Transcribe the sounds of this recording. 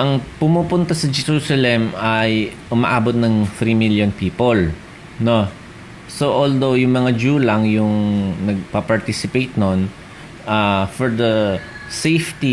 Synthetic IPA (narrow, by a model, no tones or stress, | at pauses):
ʔɐŋpʊmuːpʊnt̪ɐsɐd͡ʒɛɾuːsɐlɛmɐjʔʊmɐ̰ʔaːbot̪̚nɐŋfɾimiljonpiːpol | no | soʔold̪owjʊŋmɐŋad͡ʒuːlɐŋjʊŋnɐɡ̚pɐpɐɹt̪isɪpejt̪̚non | ʔafɔɹd̪ɐ | sejft̪i